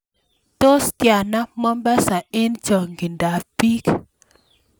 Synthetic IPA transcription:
to˦stja˨na˦mɔ˦mba˦sa˨e˦nt͡ʃɔ˨ŋɡi˨nda˨pi˦k

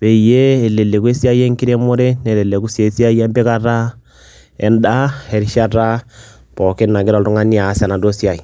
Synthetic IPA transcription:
be˨i˨jeː˦˨le˨le˨kwe˦sja˦jɛ˦ŋki˦ɾɛ˦mo˦ɾɛ˦nɛ˨lɛ˨lɛ˨ku˦sje˨˦si˦a˦i˦ɛ˦mbe˦ka˦ɾa˦ | ɛ̰˦nda˦ɛ˨ɾi˦ʃa˦ta˦ | pɔ˨ke˦nna˨ɡe˦ɾa˨ltu˦ŋa˦ni˦a˨˦sa˨na˨do˦sja˨i˨

